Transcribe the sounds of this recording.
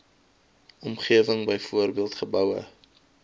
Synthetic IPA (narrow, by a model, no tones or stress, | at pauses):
ɔmχiəvəŋbəjfuərbiəlˠtχəbœwə̰